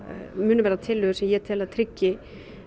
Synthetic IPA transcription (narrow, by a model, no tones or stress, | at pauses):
mʏːnʏvɛːɾat̪ʰɪlːʏːɣ̥sɛjɛt̪ʰɪlaðt̪ʰɾɪcːɪ